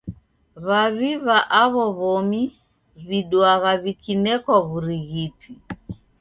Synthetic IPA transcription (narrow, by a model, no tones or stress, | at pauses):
βaβiβaʔaβɔβɔmi | βiɗwaɣaβikinɛkwaβuɾiɣiti